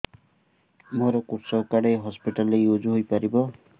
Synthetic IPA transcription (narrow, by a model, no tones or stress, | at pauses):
moɾɔkuɾsɔkaɽejɦɔspiʈalejod͡ʒuɦojpaɾibɔ